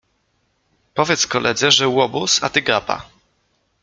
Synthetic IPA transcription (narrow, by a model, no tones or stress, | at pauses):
pɔvʲjɛt̪skɔlʔɛd̪zɛʐɛwɔbusa̰t̪ɘɡapa̰